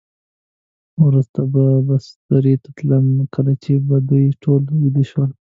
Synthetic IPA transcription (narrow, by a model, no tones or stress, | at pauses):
wɾust̪ababasd̪̥aɾit̪ḁt̪ləmkəlat͡ʃebad̪ujʈʰolwid̪iʃwəl